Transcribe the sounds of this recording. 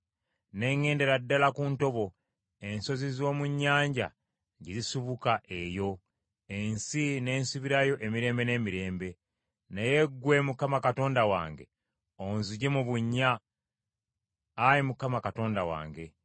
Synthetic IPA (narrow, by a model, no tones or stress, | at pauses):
ne̞ŋe̞ːnde̞ɾadːalakuːnto̞βo̞ | e̞nso̞zizo̞ːmuɲːaːɲɟa̰ | ɟizisuβukaʔe̞jo̞ | ensine̞ːnsuβiɾajo̞ʔe̞miɾe̞ːmbe̞ne̞ːmiɾe̞ːmbe̞ | neje̞ɡːwe̞mukamakato̞ːndawa̰ːŋɡe̞̰ | onzuɟemuβuɲːa | jimukamakato̞ːndawa̰ːŋɡe̞